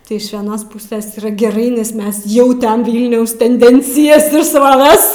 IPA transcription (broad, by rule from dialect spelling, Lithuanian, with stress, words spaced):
ˈtɐɪ ɪʃ ʋʲiɛˈnoːs ˈpʊsʲɛs iːˈrɐ ɡʲɛˈrɐɪ nʲɛs ˈmʲɛs ˈjɛʊ ˈtʲɛn ˈʋʲiːlʲnʲɛʊs tʲɛnʲˈdʲɛnʲt͡sʲɪjɛs ɪr sroːˈʋʲɛs